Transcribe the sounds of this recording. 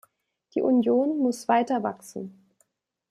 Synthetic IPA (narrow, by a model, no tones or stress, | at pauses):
d̥iːʔunjoːnmʊsv̥aɪtɐva̰ksn̩